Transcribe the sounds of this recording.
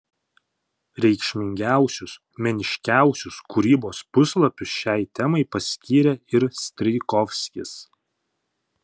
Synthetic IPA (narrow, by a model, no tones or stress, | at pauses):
ɾʲɛɪkʃʲmʲɪŋʲɡʲæˑʊsʲʊs | mʲɛnʲɪʃʲkʲæˑʊsʲʊskʊɾʲiːboːspʊslˠɐpʲʊsʃʲɛɪt̪ʲɛmɐɪpɐsʲkʲiːɾʲɛɪɾsʲt̪ʲɾʲɪkɔfʲsʲkʲɪs